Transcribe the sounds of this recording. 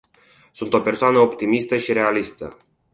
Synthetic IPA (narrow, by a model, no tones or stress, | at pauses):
sunt̪o̞pe̞rsoanəo̞pt̪imist̪əʃiɾe̞alist̪ə̰